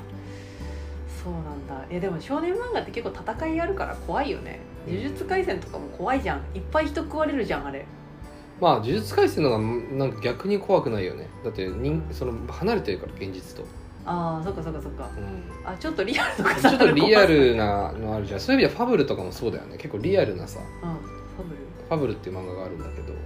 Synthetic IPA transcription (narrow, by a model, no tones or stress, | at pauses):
so̞ːnãnd̪ajad̪e̞mo̞ɕo̞ːnẽ̞mbãŋɡat̪ːe̞ke̞kːot̪at̪akaiaɾɯ̟kaɾa̰kʰo̞βaijo̞̰nḛ | d͡ʑɨʑɨt͡sɨ̥kaisẽ̞nt̪o̞kamo̞kʰo̞βaiʑã̰ŋ̃ipːaiçi̥t̪o̞kɯβaɾeɾɯ̟ʑãɰ̃aɾe̞ | maːd͡ʑɨʑɨt͡sɨ̥kaisẽ̞noɡamnãŋkaɡʲakɯɲ̟ikʰo̞βakɯ̟naijo̞̰ne̞̰d̪at̪ːe̞ɲĩŋso̞no̞hanaɾe̞t̪e̞ɾɯ̟kaɾaɡẽ̞ɲ̟d͡ʑit͡sɨ̥t̪o̞̰ | aːs̬okːaso̞kːaso̞kːa̰ɯ̟̃ | at͡ɕo̞t̪ːo̞ɾʲiaɾɯ̟t̪okat͡ɕot̪ːoɾʲiaɾɯ̟nanoaɾɯ̟ʑãsoːjɯmʲid̪eɸabɯ̟ɾɯ̟t̪o̞kamo̞so̞ːd̪a̰jo̞̰ne̞̰ke̞kːoɾʲiaɾɯ̟na̰sa̰ | ɯ̃ | ɸabɯ̟ɾɯ̟ | ɸabɯ̟ɾɯ̟t̪ːeiɯ̟mãŋɡaɡaːɾɯ̟̃nd̪ake̞d̪o̞̰